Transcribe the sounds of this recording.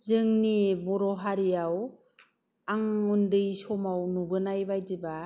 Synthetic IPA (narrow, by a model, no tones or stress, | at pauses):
zɯŋnibɔɾɔɦaɾijaw | aŋundɯjsɔmawnuɡɯnajbajdiba